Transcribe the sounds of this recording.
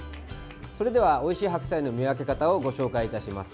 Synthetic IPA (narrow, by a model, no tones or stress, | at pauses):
so̞ɾe̞d̪e̞β̞ao̞iɕiːɦakɯ̟̥saino̞mʲiak̬e̞kat̪ao̞ɡo̞ɕo̞ːkaiːt̪aɕima̰sɨ̥